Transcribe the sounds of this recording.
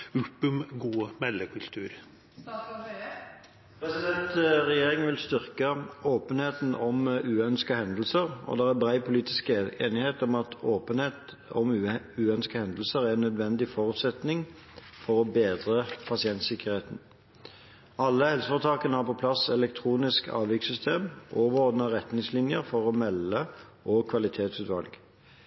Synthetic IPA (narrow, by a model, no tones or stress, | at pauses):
ʉpʉmɡuːmɛlːəkʰʉlt̪ʰʉːɾ | pʁɛsɪd̪ɛnt̪ʁɛjeːʁɪŋəʋɪlst̪ʏʁkəoːpənheːt̪n̩ɔmʉːœnskəhɛnd̪l̩səʁɔ̰d̪ɛʁæbʁæɪpʰʊliːt̪ɪskeːnɪheːt̪ɔmɑt̪oːpənet̪ | ɔ̰mʉ | ʉːœnskəhɛnd̪l̩səʁænːœd̪ʋɛnd̪ɪfɔʁʉt̪sɛt̪nɪŋ | fɔʁɔbeːd̪ʁəpʰɑsɪɛnt̪sɪkːəʁeːt̪n̩ | ɑlːəhɛlsəfɔʁt̪ʰɑːkənəhɑʁpɔpʰlɑsɛlɛk̚t̪ʰʁuːnɪskʰɑ̰ːʋjɪksʏst̪ʰeːmʔoːʋəʁoːd̪nɑʁɛt̪nɪŋslɪnjəʁfɔʁɔmɛlːə | ʔɔkʰʋɑlɪt̪ʰeːt̪sʉːt̪ʋɑ̰lɡ